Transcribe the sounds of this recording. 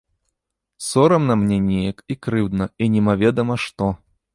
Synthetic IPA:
sɔɾɐmnɐmnʲɛnʲɛjɐkikɾɨwd̪nɐinʲɛmavʲɛd̪ɐmɐʂt̪ɔ

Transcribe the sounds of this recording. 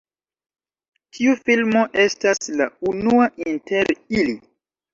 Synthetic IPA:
tʰiufilmo̞ʔe̞staslaunuaʔinte̞ɾili

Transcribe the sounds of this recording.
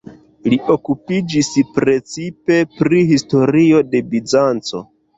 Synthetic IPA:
liʔo̞kupid͡ʒispɾe̞t͡sipe̞pɾihisto̞ɾio̞de̞bid͡ʒant͡so̞̰

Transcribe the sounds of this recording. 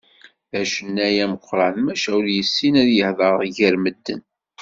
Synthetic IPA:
ðæʃənːæjæməqʷːɾˤɑnmæʃæʊljəsːinæðjəhðˤəɾˤʝəɾməd̪ːə̰n

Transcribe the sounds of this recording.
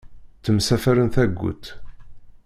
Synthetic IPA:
θəmsæfæɾənθæɡʷːṵt̪

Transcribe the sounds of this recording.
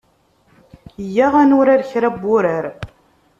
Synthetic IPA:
jæʁænʊɾaɾçɾæbːʊɾəɾ

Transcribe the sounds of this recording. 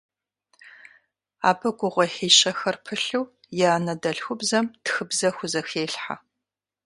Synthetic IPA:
a̰ːbɐɡʷʊʁʷɔħiːɕɐxɐrpʰɨɬuw | jaːnɐdɐɬxʷʊbzɐmtxɨbzɐxʷʊzɐxeːɬħa̰

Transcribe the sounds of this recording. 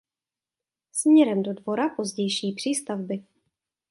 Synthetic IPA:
smɲɛɾɛmdo̞dvo̞ɾapo̞zɟɛjʃiːpr̝̥iːst̪avbɪ

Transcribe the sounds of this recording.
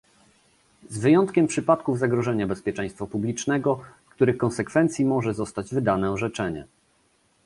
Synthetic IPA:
zvɘjɔnt̪kʲɛmpʂɘpat̪kuvzaɡɾɔʐɛɲabɛspʲjɛt͡ʂɛ̃j̃st̪fapublʲit͡ʂnɛɡɔfkt̪uɾɘxkɔ̃nsɛkfɛnt̪sʲjimɔʐɛzɔst̪ad͡ʑvɘd̪anɛɔʐɛt͡ʂɛɲɛ̰

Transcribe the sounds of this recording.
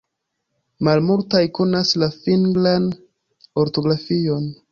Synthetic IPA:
malmultajko̞naslafiŋɡlan | o̞ɾto̞ɡɾafio̞n

